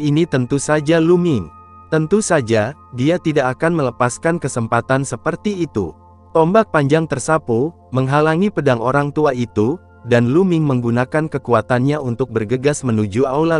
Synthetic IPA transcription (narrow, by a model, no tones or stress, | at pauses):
init̪ənt̪usad͡ʒalumɪŋ | t̪ənt̪usad͡ʒadiat̪idakːkanmələpaskankəsəmpat̪ansəpərt̪iːt̪ṵ | t̪ɔmbak̚paɲd͡ʒaŋt̪ərsapu | məŋɦalaŋipədaŋoɾaŋt̪uait̪u | danlumɪŋməŋɡunakankəkuat̪anɲaunt̪ʊk̚bərɡəɡasmənud͡ʒuaula